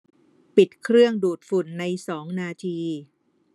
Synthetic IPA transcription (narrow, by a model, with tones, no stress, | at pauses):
pi˨˩t̪̚kʰɾɯ˥˩əŋduː˨˩t̪̚fu˨˩nːa˧jsɔː˩˦ŋnaː˧t̪ʰiː˧